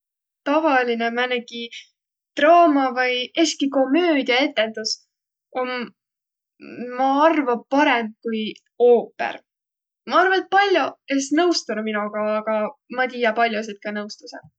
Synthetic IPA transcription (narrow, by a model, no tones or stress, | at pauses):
t̪ɑvɑlinemæneki | t̪rɑːmɑvɯjeskiko̞mːø̞ːd̪iɑe̞t̪ːˑe̞nd̪̥us | ʔo̞n | mɑɑrvɑpɑɾe̞m̚kuj | o̞ːpːḛr | mɑɑrvɑet̪̚pɑlʲjoesnɤwst̪unuminuɡ̥ɑːɡ̥ɑmɑt̪iːjɑpɑlʲjos̬et̪̚kɑnɤwst̪use